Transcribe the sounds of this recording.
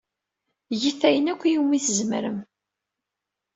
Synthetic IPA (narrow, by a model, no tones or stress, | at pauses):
jiθæjənækʷːjumiθəzməɾəm